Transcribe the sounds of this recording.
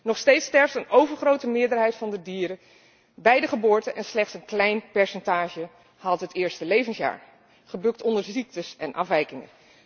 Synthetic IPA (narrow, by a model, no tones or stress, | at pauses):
nɔχstejtstɛɹftənowvəɹχrowtəmɪːɹdəɹɦɛjtfɑndədiːɾə | bɛjdəχəbʊːɹtənʔɛnslɛχtsənklɛjnpɛɹsɛntaːʒə | hɑtɦətɪːɹstəlejvənsja̰ːɹ | χəbɵk̚tɔndəɹzik̚təsɛnʔɑ̰fʋɛjkɪŋə̰n